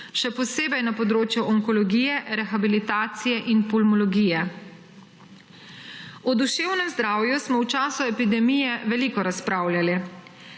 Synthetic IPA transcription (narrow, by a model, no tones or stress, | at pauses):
ʃɛpɔseːbɛjnapɔd̪ɾoːt͡ʃjuʔɔŋkɔlɔɡiːjɛɾɛxabilit̪aːt̪sijɛʔinpɔlmɔlɔɡijɛ | ɔd̪uʃeːwnɛmzd̪ɾaːwjusmɔwt͡ʃaːsuɛpid̪ɛmijɛʋɛlikɔɾaspɾaːwlʲjali